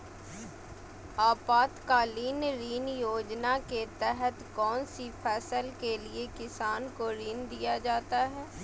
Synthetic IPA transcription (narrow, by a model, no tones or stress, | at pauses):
aːpaːt̪kaːliːnɾiːnjoːd͡ʒnaket̪ɛɦət̪kɔːnsipʰɛːsəlkeliekɪsaːnkoɾiːnd̪ijad͡ʒaːt̪aɦɛː